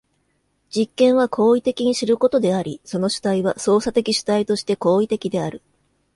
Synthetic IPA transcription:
d͡ʑikːẽ̞ɰ̃β̞akʰo̞ːit̪e̞kʲiɲ̟iɕiɾɯ̟ko̞t̪o̞d̪e̞aɾʲiso̞no̞ɕɨ̥t̪aiβaso̞ːsat̪e̞kʲiɕɨ̥t̪ait̪o̞ɕi̥t̪e̞ko̞ːit̪e̞kʲid̪e̞aɾɯ̟

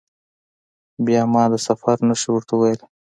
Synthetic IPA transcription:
bjɑmɑːd̪əsafaɾnaʃiwəɾt̪awajəl

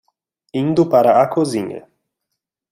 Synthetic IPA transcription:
ind̪ʊpaɾaakʰoziɲḛ

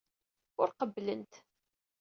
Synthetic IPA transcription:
ʊɾqəbːlənt̪

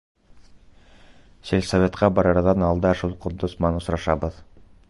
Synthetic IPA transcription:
selʲsovʲet̪qɑbɑɾɑɾðɑnɑlˠd̪ɑʃulˠqŏd̪ːosmɑnŏsɾɑʃɑbɤð

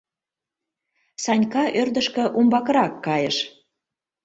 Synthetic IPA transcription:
sɑnʲkɑʔørd̪ə̆ʃkə̆ʔumbɑkəɾɑkːɑjəʃ

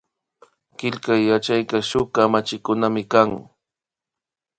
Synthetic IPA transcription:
kɪʎkajːat͡ʃajkaʃʊkamat͡ʃɪkʊnamɪkaŋ

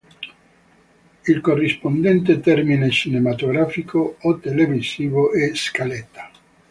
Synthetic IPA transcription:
ilkorːispond̪ɛnt̪̬et̪ɛrminet͡ʃinemat̪oɡɾafikʰoot̪elevisiːvoʔɛskalɛt̪ːḁ

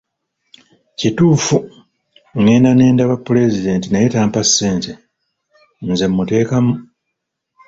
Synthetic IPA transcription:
cituːfu | ŋeːnane̞ːndaβapːule̞zide̞ːntinajetaːmpasːe̞ːnte | nze̞mːute̞ːkamu

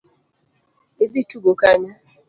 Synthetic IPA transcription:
edɪt͡ʃubokaɲa

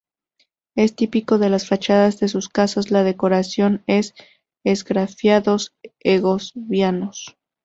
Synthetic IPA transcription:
e̞st̪ipiko̞ðe̞lasfat͡ʃaðazðe̞suskasazlaðe̞ko̞ɾasjo̞ne̞s | ezɡɾafjaðo̞seɣo̞zβjano̞s

